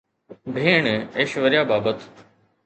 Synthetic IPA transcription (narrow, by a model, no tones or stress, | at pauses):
bʱeːɳeːʃʋəɾɪjaːbaːbət̪